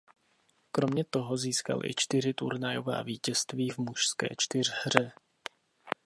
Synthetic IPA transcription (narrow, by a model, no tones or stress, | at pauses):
kɾo̞mɲɛt̪o̞ɦo̞ziːska̰lʔɪ̰t͡ʃt̪ɪrɪt̪uɾnajo̞va̰ːviːcɛst̪viːvmuʃskɛ̰ːt͡ʃt̪ɪr̝hr̝ɛ